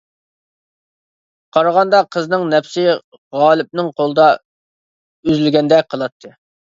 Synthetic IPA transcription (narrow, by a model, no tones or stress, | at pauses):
qʰɑɾʁɑnd̪ɑqʰəznɨŋnɛpsɪ | ʁɑːlˠɨp̚nɨŋqʰolˠɨd̪ɑ | yzylɡʲɛnd̪ɛqʰəlˠɑt̪ʰːɨ